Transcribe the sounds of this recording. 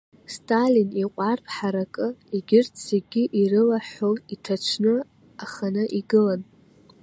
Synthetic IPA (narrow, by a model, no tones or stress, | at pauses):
stʰʼaliniqʷʼarpʰħaɾakʼɨiɡʲɪrtʰseɡʲɪʔirɨlaħoitʰat͡ʃʷʰnɨ | aχanɨʔiɡɨlan